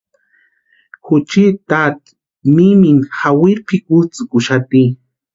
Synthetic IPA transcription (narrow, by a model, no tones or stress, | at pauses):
xʊt͡ʃit̪at̪ | miminxawiɾpʰikut͡sɨkʊʃat̪i